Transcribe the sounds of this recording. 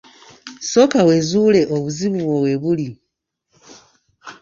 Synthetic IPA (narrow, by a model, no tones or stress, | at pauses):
so̞kawe̞ːzuːle̞ʔoβuziβuβwowe̞βuli